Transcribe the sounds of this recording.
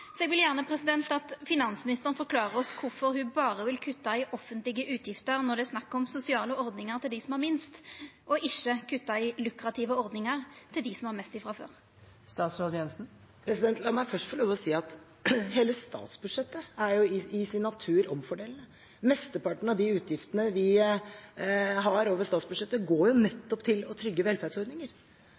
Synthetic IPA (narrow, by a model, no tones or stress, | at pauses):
sɔɛɡʋɪljæːʁnəpʰɾɛsɪd̪ɛnt̪ɑt̪fɪnɑnsmɪnɪst̪əʁən̩fɔɾkʰlɑːʁəɾɔskʰʊɾfɔɾhʉbɑːʁəʋɪlkʰʉt̪ːɑɪʔɔfːənt̪lɪɡəʔʉːt̪jɪft̪əɾnɔʁd̪ɛːsnɑkːɔmsʊsɪɑːləɔʁd̪nɪŋəʁt̪ʰɪld̪ɪsɔmhɑɾmɪnst̪ʔɔʔɪçːəkʰʉt̪ːɑɪlʉkɾɑt̪ʰɪːʋəɔʁd̪nɪŋəʁt̪ʰɪld̪ɪsɔmhɑɾmɛst̪ɪfʁɑfø̰ːʁ | st̪ɑːt̪sɾoːd̪jɛnsn̩ | pʰɾɛsɪd̪ɛnt̪lɑmːæfœʂʈfɔɾɭoːʋəɔsiːɑt̪ | heːləst̪ɑ̰ːt̪sbʉd̪ʂɛt̪ːəæɾjʊɪɪsɪnːɑt̪ʰʉːɾɔmfɔɖeːln̩ə | mɛst̪əpɑʈɳ̩əɑd̪ɪʉːt̪ʰjɪft̪ənəʋɪ | ɦɑɾoːʋəst̪ɑːt̪sbʉd̪ʂɛt̪ːəɡoːjʊnɛt̪ːɔpt̪ʰɪlɔt̪ʰɾʏɡːəʋɛlfæd̪sɔɾɖ̪nɪŋəɾ